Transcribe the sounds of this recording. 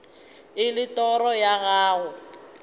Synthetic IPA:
ɪlɪtɔrɔjaɣaːɣʊ

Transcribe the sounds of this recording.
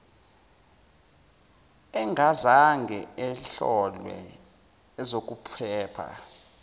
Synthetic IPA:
ɛŋɡʱazaŋɡʱɛɛɬɔlwɛ̰ | ɛzok̬ʼupʰɛːpʰa̰

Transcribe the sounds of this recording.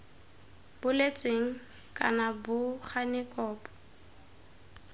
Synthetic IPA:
b̥ʊlet͡sʼweŋ̩ | kʼa̰nabʊχanɪkʼɔːpʼɔ̥

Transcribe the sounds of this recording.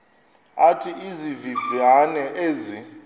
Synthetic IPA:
atʰiizivivanɛʔeːzi

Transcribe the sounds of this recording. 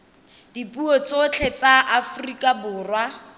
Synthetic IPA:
d̥ipʼuɔt͡sot͡ɬʰet͡saʔafrikʼabʊːrwa

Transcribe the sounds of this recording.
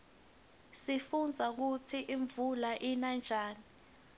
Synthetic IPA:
sifund͡zʱak̬ut͡sʰiʔiɱvulaʔinand͡ʒʱaːni

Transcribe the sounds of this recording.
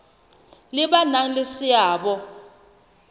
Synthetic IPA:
lɪɓanaŋ̩lɪsɪaːɓɔ

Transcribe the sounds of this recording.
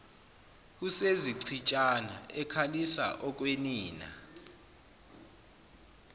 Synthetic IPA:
useziǀʰit͡ʃʼana̰ɛkʰalisa̰ʔɔk̬ʼweniːna̰

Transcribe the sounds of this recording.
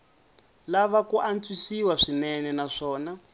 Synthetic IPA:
laβakuʔant͡swisiwaʂinɛnɛnaʂɔːna

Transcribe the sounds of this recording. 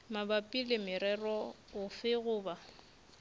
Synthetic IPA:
mabapʼilɪmɪɾɛrɔ | ʊfɪɣʊːba

